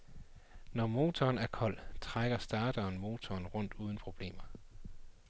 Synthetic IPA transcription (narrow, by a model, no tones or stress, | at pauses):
nɒmo̝ːt͡sʰɒːnæɐkʰɒ̽l̰t͡sʰʁaɡ̥ɐsd̥ɑ̈ːd̥ɐːnmo̝ːt͡sʰɒːnʁɔ̽n̰d̥uːð̞ˠn̩pʰʁo̝b̥le̝̰ːmɐ